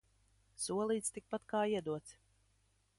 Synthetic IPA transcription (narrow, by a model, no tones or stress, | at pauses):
suɔlˠiːt̪st̪ik̚pat̪kaːiɛd̪uɔt̪s